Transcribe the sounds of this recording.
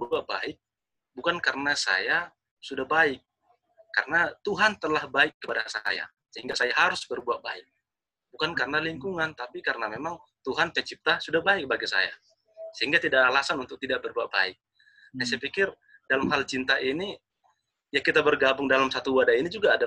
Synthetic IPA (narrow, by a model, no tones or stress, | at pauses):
buat̪̚ba̰ɪk̚ | bukankaɾənasa̰ja | sudahbaɪk̚ː | a̰rnat̪uɦant̪əlahbaɪkːəpadasa̰ja̰ | səɦiŋɡasajaɦaɾʊsbərbuat̪̚ba̰ɪk̚ | bukankaɾnaliŋkuŋant̪apikaɾənamemaŋ | t̪uɦanpɛt͡ʃip̚t̪asudahbaik̚baɡisa̰ja̰ | səɦiŋɡat̪idaːlasanunt̪ʊk̚t̪idaʔ̚bərbuat̪̚ba̰ɪk̚ | nas̬ɛpikɪr | dalamɦalt͡ʃint̪aʔini | jakit̪abərɡabʊŋdalamsat̪uwadainid͡ʒuɡaːda